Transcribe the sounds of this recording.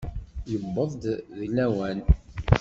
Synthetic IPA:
jəbːəðˤd̪ðilːæwæn

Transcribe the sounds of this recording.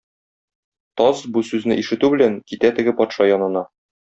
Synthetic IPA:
t̪ɒzbusʉznɘʔiʃɘ̆t̪ʉbɘ̆læŋkit̪æt̪ɘ̆ɡɘpɒt̪ʃɑjɒnɤ̆nɑ

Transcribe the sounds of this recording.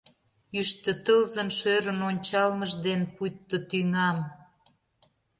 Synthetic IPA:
yʃt̪ə̆t̪əlzəmʃøɾənonʲt͡ɕɑlməʒd̪enpujt̪ːə̆t̪yŋɑm

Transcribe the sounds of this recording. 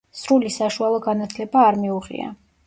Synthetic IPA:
sɾulisaʃualˠɔɡanat̪ʰlɛbaːɾmiuʁḭa̰

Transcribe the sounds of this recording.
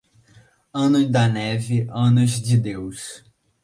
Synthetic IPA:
ɐ̃nʊd̪ɐnɛvɪʔɐ̃nʊzd͡ʒɪd̪ews

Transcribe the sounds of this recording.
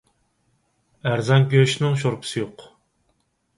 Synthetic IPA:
æɾzɑnkʲøʃnɪŋʃ̬oɾpʰɨ̥sɨjoq

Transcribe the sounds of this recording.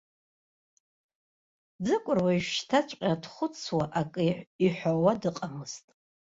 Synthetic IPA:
d͡zɨkʷʼʊrwaiʃʃtʰat͡ʃʷʼqʲʼadχʷʊt͡sʰwaʔakʼɨiħʷawadɨqʼamɨztʼ

